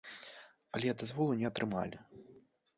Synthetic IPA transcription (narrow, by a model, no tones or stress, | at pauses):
ɐlʲɛd̪azvɔlˠunʲɛɐt̪ɾɨma̰lʲi